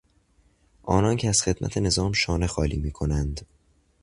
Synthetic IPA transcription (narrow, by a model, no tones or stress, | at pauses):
ʔɒːnɒːncʰeæz̥xe̞d̪̥mæ̰t̪ʰe̞ne̞zɒːmʃɒːne̞xɒːlḭːmiːkʰonænd̪